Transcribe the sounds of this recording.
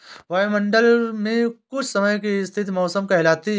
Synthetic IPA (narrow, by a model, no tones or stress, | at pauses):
ʋaːmə̃ɳɖəlmẽkʊt͡ʃʰsɐməjk̬iɪst̪ʰɪt̪mɔːsəmkɛɦlaːt̪i